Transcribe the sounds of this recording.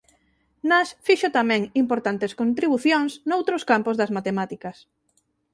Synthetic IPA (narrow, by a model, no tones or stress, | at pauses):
nasfiʃʊt̪amɛ̃ŋimpoɾt̪ant̪eskont̪ɾiβuθjoŋsnowt̪ɾoskampʊzðɐzmat̪emat̪ikɐs